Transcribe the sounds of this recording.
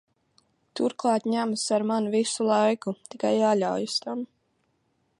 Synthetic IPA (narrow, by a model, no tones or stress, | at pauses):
t̪uɾklˠɑːt̪ɲæmsaɾmanvisulˠajkut̪ikajaːʎawjust̪am